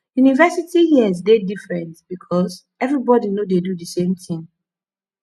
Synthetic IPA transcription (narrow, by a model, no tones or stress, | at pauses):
junivɛsitihiəzdedifɹɛ̃ntb̥ikʰɔz | ɛvɹibɔdinodedudəsẽmθɪ̃ŋ